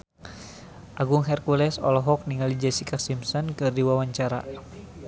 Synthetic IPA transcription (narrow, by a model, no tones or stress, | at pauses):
ʔaɡuŋɦɛrkulɛsɔ̰lɔɦɔk̚niŋalid͡ʒɛsikasimsɔnkɨrdiwawaɲt͡ʃaɾa̰